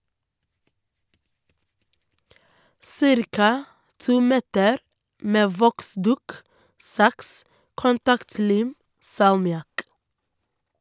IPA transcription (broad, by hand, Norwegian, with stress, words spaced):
ˈsɪɾkɑ ˈtuː ˈmɛtəɾ ˈmeː ˈʋɔkˌsdʉːk ˈsɑks kʊnˈtɑktˌliːm sɑlmɪˈɑk